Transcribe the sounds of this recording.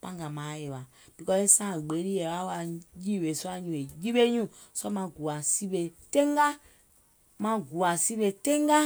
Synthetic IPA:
pã˦ŋɡa˨mãː˨˦je˨wa˨ | b̥i˨˧kɔ˧e˦sã˦˨ɡ͡be˨˦ɾi˦ɛ˨wa˦wa˧jiː˦˨we˨su˦a˧˦ɲũ˨e˨ji˦ɓe˦ɲũ˦˨ | sɔ˦mã˧˨ɡu˨a˨si˦be˧tẽ˦ŋɡa˦ | mã˧ɡu˨a˨si˦be˧˨tẽ˦ŋɡa˦

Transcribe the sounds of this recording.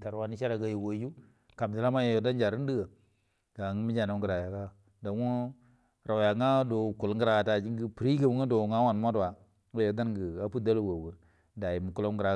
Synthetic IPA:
ta˨ɾwa˦ni˦ʃa˦ɾa˨ɡa˨ji˨wo˨˦ju˦ | ka˨m˨di˨la˦ma˦jjo˨da˦nd͡ʒa˨ɾi˦n˦di˦ɡə˨ | ɡ̥a˨ŋ˦mi˦d͡ʒa˨na˨˦ɡə˨ɾa˨ja˨ɡa˦˨ | da˨˦ŋo˦ | ɾa˨ja˨ŋa˦do˨ku˨lŋɡə˦ɾa˨a˨ta˨d͡ʒi˦ŋɡi˦pɾi˦ɡə˨bŋa˦do˨ŋa˦wa˨n˨ma˦dwa˨ | ŋo˦jo˨da˦nɡə˨a˦pu˦da˦lo˦wo˨wə˨ | da˨ji˨mu˨ku˦lo˦ɡɾa˨

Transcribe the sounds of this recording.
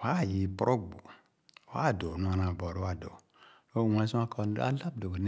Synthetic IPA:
wa˦˨ji˨pɔ˦ɾo˦ɡ͡bo˨ | wa˦˨do˨nũ˦a˨nã˨bɔ˨ɾo˦a˦˨do˨ | o˦˨wã˨˦sũ˦a˦ka˨˦a̰˦la˦bdo˨ɡn˦

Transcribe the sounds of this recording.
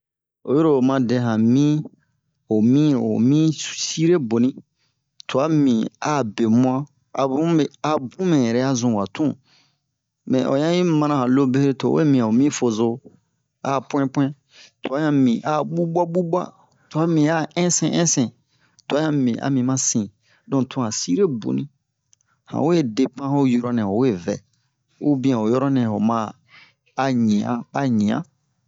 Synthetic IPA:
o̰˨je˦ɾo˨mã˨dɛ̃˨ɦã˨mĩ˦ | o˨mĩ˦ɾo̰˨mĩ˦si˦ɾe˦bo˨nĩ˦ | tʰo˨a˦mĩ˨a˦˨be˨mũ˦a˦ | a˨bũ˦e˨a˨bũ˦mɛ̃˨ɛ˨ɾɛ˦a˦zũ˨wa˨tʰũ˦˨ | mɛ̰̃˨ʔo̰˨jã˦i˦mã˦nã˨hã˨lo˦be˦hɾe˦to˨˦wḛ˦mĩ˨a˨o˨mĩ˦fo˨zo˦ | a˦˨pw̃ɛ̃˦pɛ̃˦ | to˨a˨˦jã˦mĩ˨ʔa˦ɓu˦ba˦bu˦bwa̰˦ | to˨a˦mĩ˨a˦ɛ̃˦sɛ̰̃˨ʔɛ̃˦sɛ̃˨ | to˨a˦jã˦mĩ˨ʔa̰˨mĩ˨mã˦sĩ˨ | dɔ̃˦tʰũ˦hã˨si˦ɾe˦bṵ˨nĩ˦ | hã̰˨we˦˨de˨pã˦ho˦jɔ˦ɾɔ˦nɛ̃˨o˨we˦˨vɛ̰˨ | u˦bĩ˦ã˨o˨jɔ˦ɾɔ˦nɛ̃˨ho˨mã˦ | a˦ɲĩ˨ã̰˨a˦ɲĩ˨ã̰˦

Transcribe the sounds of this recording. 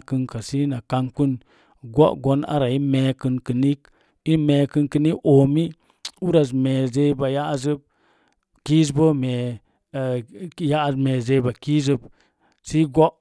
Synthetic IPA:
kɨ˧nka˨si˦na˨ka˧ŋku˦n | ɡo̰˦ʔɡo˦na̰˦ɾa˨i˦me˨kɨ˧nkɨ˨ni˦k | i˦me˧kɨ˧nki˧ni˦ko˨mi˦ | u˦ɾa˨z̬me˨ze˧i˦ba˨ja˦ʔzɨ˦b̚ | ki˦z̬bo˦me˨ | ja˦˨me˨ze˧ba˨ki˦z̬ɨ˦b | si˦ɡo˦

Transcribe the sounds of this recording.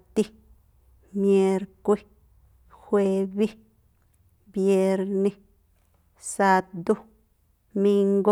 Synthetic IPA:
t̪i˦ | mje˧ɾkʷi˦ | xʷwe˧bi˦ | bje˧ɾni˧ | sa˧t̪d̪u˦ | mi˧ŋɡo˦

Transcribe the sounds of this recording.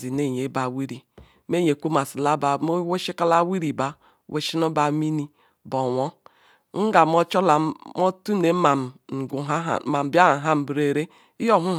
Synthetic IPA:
zi˨ne˦˨ɲe˨˦ba˨wi˦ɾi˨ | me˦ɲe˨kʷu˦ma˨si˨la˦ba˨mo˦wo˦ʃi˦ka˦la˦wi˦ɾi˨ba˨ | wʔe˨ʃi˦no˦ba˨˦mi˦ni˦ | bɔ˨wɔ˦ | ŋ̩˦ɡa˨mɔ˦t͡ʃɔ˦la˨mo˦tu˦ne˨˦ma˨m̩˨ɡu˨ɦa˨m̩˨ba˦a˨ɦa˦m̩˨bɾe˨ɾe˦ | i˦jo˦ɦu˦

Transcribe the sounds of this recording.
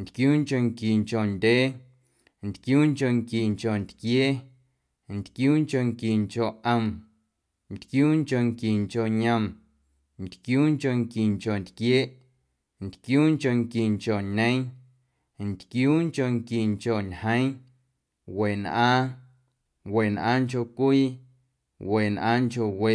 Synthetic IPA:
nt̪kjuː˦ŋko˧ŋki˨ŋko˨nd̪ʲeː˦ | nt̪kjuː˦ŋko˧ŋki˨ŋko˨nt̪kjeː˦ | nt̪kjuː˦ŋko˧ŋki˨ŋko˨ʔʔə˧˨m | nt̪kjuː˦ŋko˧˨ŋki˨ŋt͡ʃo˨ʔɲə̃˧˨m | nt̪kjuː˦ŋko˧ŋki˨ŋko˨nt̪kjeː˦ʔ | nt̪kjuː˦ŋko˧˨ŋki˨ŋko˨ʔɲẽ˦ŋ | nt̪kjuː˦ŋko˧ŋki˨ŋt͡ʃo˨ʔɲhə̃˦j | we˨nʔãː˦ | we˨nʔã̰ː˦ŋt͡ʃo˧˨kʷiː˦ | we˨nʔã̰ː˦ŋt͡ʃo˧we˨

